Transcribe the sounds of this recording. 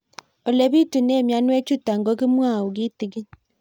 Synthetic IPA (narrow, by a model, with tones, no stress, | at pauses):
o˨le˦βi˦tu˨ne˦˨mja˦nwe˦t͡ʃu˦ta˨ŋɡo˦ɣi˦mwa˦˨u˨ɣi˦ti˨ɣi˦